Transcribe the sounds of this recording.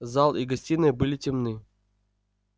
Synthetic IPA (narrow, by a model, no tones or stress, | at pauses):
zalˠiɡɐsʲtʲinɨbɨlʲɪtʲɪmnɨ